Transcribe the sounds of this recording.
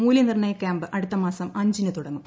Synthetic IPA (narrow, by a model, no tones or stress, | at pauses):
muːljɐnirɳɐjɐkʲjaːmbɨʔɐɽut̪ːɐmaːsɐmɐɲd͡ʑinɨt̪uɽɐŋːum